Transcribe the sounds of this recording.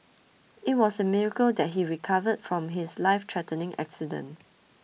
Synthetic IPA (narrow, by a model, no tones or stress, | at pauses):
ɪt̚wɔsəmɪɹəkəldɛt̚ɦiɹikʰavədfɹɔ̃mɦɪslaɪftʰɹɛtə̃nɪ̃ŋʔa̰ksidə̰̃n